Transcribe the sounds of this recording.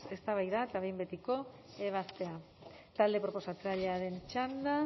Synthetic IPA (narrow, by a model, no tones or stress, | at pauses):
e̞st̪aβajðaet̪aβejmbe̞t̪iko̞ | e̞β̞ast̪e̞a | t̪ald̪e̞pɾo̞po̞sat͡saʎeaɾe̞nt͡ʃand̪a